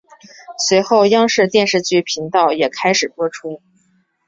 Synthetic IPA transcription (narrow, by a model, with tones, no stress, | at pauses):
swe˧˥ɪxo˥˧ʊjɑ˥ŋʂɻ̩˥˧t̪jɛ˥˧nʂɻ̩˥˧t͡ɕy˥˩pʰi˧˥ŋt̪ɑ˥˩ʊjɛ˨˩kʰa˥ɪʂɻ̩˨˩pwɔ˥ʈ͡ʂʰu˥